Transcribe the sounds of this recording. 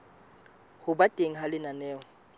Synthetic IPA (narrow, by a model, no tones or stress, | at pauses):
hʊbatʼeŋ̩halɪnanɛːɔ